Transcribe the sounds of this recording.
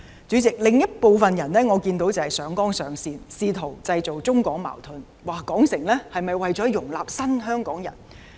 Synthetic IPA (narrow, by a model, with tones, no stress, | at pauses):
t͡ʃyː˨˥t͡sɪ˨k̚lɪ˨ŋjɐ˥t̚po˨˧wfɐ˨njɐ˨˩nnɛː˥ŋɔː˨˧kiː˧nt̪o˨˥wt͡sɐ˨whɐ˨jsœː˨˥ŋkɔː˥ŋsœː˨˧ŋsiː˧nsiː˧t̪ʰo˨˩wt͡sɐ˧jt͡so˨wt͡sʊ˥ŋkɔː˨˥ŋma̰ː˨˩wt̪ʰʊ˧n | waː˨˩kɔː˨˥ŋsɪ˨˩ŋlɛː˥hɐ˨jmɐ˨jwɐ˨jt͡sɔː˨˥jʊ˨˩ŋlaː˨˩p̚sɐ˥nɦœː˥ŋkɔː˨˥ŋjɐ̰˨˩n